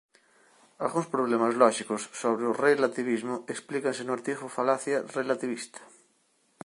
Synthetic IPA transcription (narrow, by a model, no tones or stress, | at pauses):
a̰lɣuŋspɾoβ̞lemazlɔʃikosːoβɾeʊrelat̪iβizmʊeksplikansenoaɾt̪ifofalaθjarelat̪iβist̪ḁ